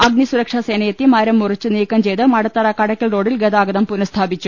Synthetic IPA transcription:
ɐɡnisuɾɐkʂɐseːnɐjɐt̪ːimɐɾɐmːurit͡ɕːɨniːkːɐmt͡ɕe̞jt̪ːɨmɐɽɐt̪ːɐɾɐkɐɽɐkʲːɐɭroːɽilɡed̪aːɡɐd̪ɐmpunɐst̪ʰaːbit͡ɕːu

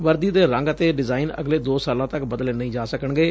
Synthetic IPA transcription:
ʋəɾd̪iːd̪eːɾə̃ŋɡət̪eːɖɪzaːɪnə̰ɡleːd̪oːsaːlãːt̪əkbəd̪əleːnəĩːd͡ʒaːsəkəɳɡeː

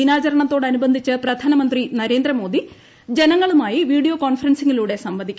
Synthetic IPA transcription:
inaːt͡ɕɐɾɐɳɐt̪ːo̞ːɽɐnubɐnd̪ʱit͡ɕːɨprɐd̪ʱaːnɐmɐnd̪rinɐɾe̞ːnd̪rɐmo̞ːd̪i | d͡ʑenɐŋːɐɭumaːjiʋiːɽijoːkoːɳfɐrɐnsiŋːiluːɽe̞sɐmʋɐd̪ʱikʲː

